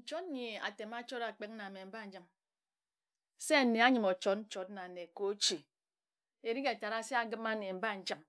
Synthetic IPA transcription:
n̩˨t͡ʃo˦tɲi˨a̰˨te˨ma˦t͡ʃo˦ɾa˨k͡pe˦k̚a˨me˨m̩˨˦ba˦n̩˦d͡ʒɨ˦m | se˦a˦˨ne˨a˦ɲɨ˨˦mo˨t͡ʃo˦t̚n̩˦t͡ʃo˨tna˨ne˨ko˨˦t͡ʃi˨ | e˨ɾi˦ke˨ta˨ɾa˦se˦a˨ɡɨ˦ma˦ne˨m̩˦ba˦˨n̩˦d͡ʒɨ˦m

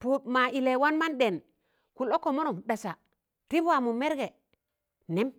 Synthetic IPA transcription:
pu˦t̚ma˨ʔi˨le˨wa˦nma˦nɗe˨n | ku˨lo˦kːo˨mo˦no˨mɗa˨sa˨ | ɾi˦bwa˨mu˨me˦ɾɡe˨ | ne˦m

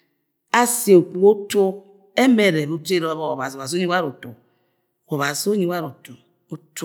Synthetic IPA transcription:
a˦si˨e˨o˨k͡pu˨o˦tu˦ | e˦me˨ɾe˨βo˦te˦ɾo˦βɔ˦o̰˨βa˨zi˨βa˨zo˦ɲi˦wa˦ɾo˨tu˨ | o˨βa˨zo˦ɲi˦wa˦ɾo˨tu˨ | o˦t

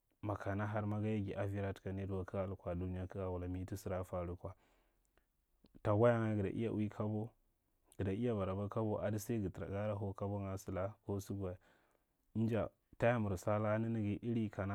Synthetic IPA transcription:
ma˨ka˨na˦ɦa˦ɾma˦ɡa˦ja˦ɡi˨ʔa˨vi˦ɾa˦tka˨ni˦du˦wa˦ki˦ɡa˦lu˨kʷa˨du˦ni˦ja˦ki˦ɡa˨wu˨la˨mi˦ti˦si˦ɾa˦fa˦˨ɾu˦kʷa˨ | ta˨ɡʷa˦ja˦ŋa˦ɡə˨da̰˨ʔḭ˦ja̰˦ʔwi˦kʰa˦bo˦ | ɡ̥i˨da˨i˦ja˦va˨ɾa˨ba˦ka˦bo˦ʔa˨di˦sa˦ɡi˨tɾa̰˨ɡa˦ɾa˦ɦo˦ka˦bo˦ŋa˨˦si˨la˦ko˦si˦ɡʷa˨ja˨˦ | n˦d͡ʒa̰˨ | ta˦ja˦mu˨ɾsa˦la˦ni˦ni˦ɡi˨ʔi˦ɾi˦ka˨na˦

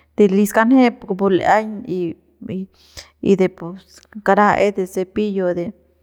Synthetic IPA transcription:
d̪̥e˧li˧ska˧nhe˦ppu˧l̰a˦ɲi˧ | ḭ˧d̪e˧˨po˧ | ka˧ɾa˦ʔe˦d̪e˧se˧pi˦jo˧d̪e˨

